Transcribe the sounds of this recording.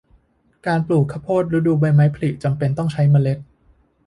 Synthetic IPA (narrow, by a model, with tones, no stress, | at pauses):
kaː˧npluː˨˩kʰːa˦˥pʰoː˥˩t̪̚ɾa˦˥duː˧ba˧jma˦˥jpʰa˧li˨˩ʔ̚t͡ɕa˧mpe˧nt̪ɔ˥˩ŋt͡ɕʰa˦˥jma˧le˦˥t̪̚